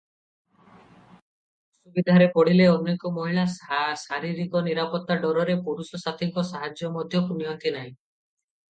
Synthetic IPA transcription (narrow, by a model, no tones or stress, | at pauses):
subid̪ʱaɾepɔɽ̤ileɔnːekɔmɔɦiɭasasaɾiɾikɔniɾapɔt̪ːaɖɔɾɔɾepuɾusɔsat̪ʰiŋkɔsaɦad͡ʒjɔmɔd̪ʱjɔkuniɔnt̪inaĩ